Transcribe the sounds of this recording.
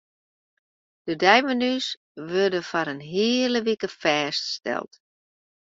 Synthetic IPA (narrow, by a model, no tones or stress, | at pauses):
d̥ədɛjmənys | ʋørdəfɔɾənɦiələʋikəfɛːststɛ̰lˠt